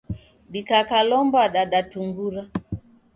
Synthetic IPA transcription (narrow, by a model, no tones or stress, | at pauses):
ɗikakalɔmbaɗaɗatuŋɡuɾa